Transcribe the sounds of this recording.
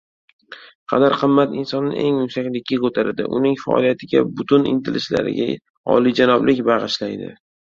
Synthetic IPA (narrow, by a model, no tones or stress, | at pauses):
qʰɑ̰d̪aɾqʰɨmːat̪ɪnsɒnːɪ̰ʔe̞ŋmʊsakʲlɪkʲʰːakot̪ʰaɾad̪ɪ̰ʔʊnɪŋfaɒ̰lijat̪ʰɪɡʲa̰bʊt̪ʰʊnɪ̰nt̪ʰelɪsla̰ɾɪ̰ɡʲa | ɒ̰lid͡ʒanɒblɪkʲbɑʁɨʃlajd̪ɪ̰